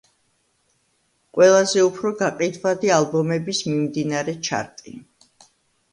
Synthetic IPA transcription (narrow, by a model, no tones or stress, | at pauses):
qʼwɛlˠazɛupʰɾɔɡaqʼid̪vad̪ialˠbɔmɛbismimd̪inaɾɛt͡ʃʰa̰ɾt̪ʼḭ